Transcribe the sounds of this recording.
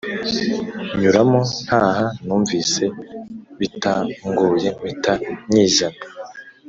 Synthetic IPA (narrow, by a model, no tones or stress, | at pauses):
ɲuɾamo̞n̥haːhanuːɱviːse̞βitaŋɡuje̞mitaɲiːʒana